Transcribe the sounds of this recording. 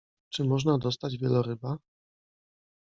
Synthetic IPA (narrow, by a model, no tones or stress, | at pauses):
t͡ʂɘmɔʐnad̪ɔst̪ad͡ʑvʲjɛlɔɾɘba